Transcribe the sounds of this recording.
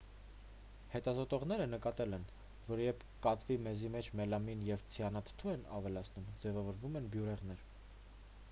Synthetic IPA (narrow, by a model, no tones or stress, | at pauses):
hɛt̪ɑzɔt̪ɔʁnɛɾənəkɑt̪ɛlɛn | vɔɾjɛpʰkɑt̪vimɛzimɛt͡ʃʰmɛlɑminjɛvt͡sʰiɑnɑt̪ʰt̪ʰuɛnɑ̰vɛlɑt͡sʰnumd͡zɛvɑvɔɾvumɛnbjuɾɛʁnɛɾ